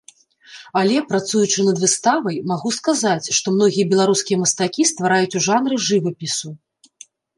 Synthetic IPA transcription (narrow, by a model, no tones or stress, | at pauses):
alʲɛpɾat̪sujut͡ʂɨnɐd̪vɨst̪avɐjmaɣuskazat͡sʲʂt̪ɔmnɔɣʲijɐbʲɛlˠaɾuskʲijɐmɐst̪akʲist̪vaɾajut͡sʲuʐanrɨʐɨvɐpʲisu